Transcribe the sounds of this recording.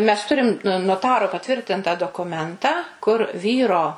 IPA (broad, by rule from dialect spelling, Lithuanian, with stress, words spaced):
mʲɛs ˈtʊrʲɪm noːˈtɑːroː pɐˈtʲʋʲɪrʲtʲɪntɐ doːkʊˈmʲɛntɑː kʊr ˈʋʲiːroː